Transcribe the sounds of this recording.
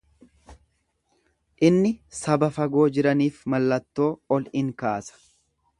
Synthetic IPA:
ʔɪnːɪsɐbɐfɐɡo̞ːd͡ʒɪɾɐniːfmɐlːɐt̪ːo̞ːɔlɪŋkaːsɐ̥

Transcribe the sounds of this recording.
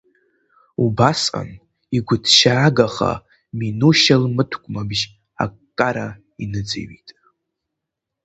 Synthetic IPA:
ubasa̰n | iɡʷʊdʰʃaːɡaχa̰ | minuʃalmɨtʰɡʷʼmabʒ | a̰kkʼːaɾa | inɨd͡zḛɥitʼ

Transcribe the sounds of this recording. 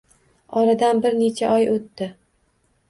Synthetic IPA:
ɒɾad̪anbɪɾne̞t͡ʃʰaʔɒjʔot̪ːɪ

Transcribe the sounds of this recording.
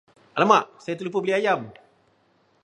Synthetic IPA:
ʔalamaʔsajat̪əlup̬əbəliajam

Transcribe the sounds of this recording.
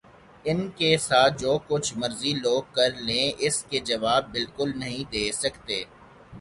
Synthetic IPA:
ɪnkesaːt̪̚ʰd͡ʒoːkʊt͡ʃʰmɐɾziloːɡ̚kɐɾlẽʔɪsked͡ʒɐʋaːb̚ːɪlkʊlnɐɦĩd̪eːsɐkt̪eː

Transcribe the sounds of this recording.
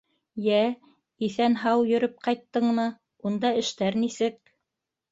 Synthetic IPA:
jæ | iθænɦɑwjɵ̆ɾɵp̚qɑjt̪ːɤɴmɤ | und̪ɑɘ̆ʃt̪æɾnisɘk̚

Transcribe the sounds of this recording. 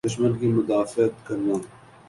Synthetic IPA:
ʊʃmənkimʊd̪aːfɪət̪kɐɾnãː

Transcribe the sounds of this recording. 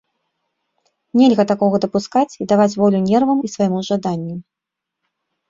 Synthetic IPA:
nʲɛlʲɣɐt̪akɔɣɐd̪ɐpuskat͡sʲid̪avat͡sʲvɔlʲunʲɛrvɐmisvajmuʐad̪anʲːu

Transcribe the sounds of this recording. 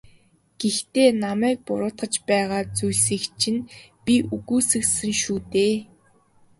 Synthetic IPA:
ɡ̥ext̪eːnamæːk̚pʊɾʊːt̪χə̆t͡ɕpæːʁaːt͡sujɮsiːkt͡ɕʰĭnpʲiʔuɣuːsɘ̆ksɘ̆ŋʃuːt̪eː

